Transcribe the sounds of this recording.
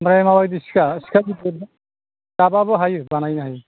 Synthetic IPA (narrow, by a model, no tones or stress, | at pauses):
mɾajmawajdiskaskʰadid | dababɔɦajbanajnaɦaj